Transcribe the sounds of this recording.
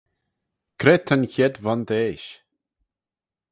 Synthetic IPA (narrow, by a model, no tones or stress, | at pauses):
kʰɾɛt̪ʰːənçɛd̪vand̪eːʃ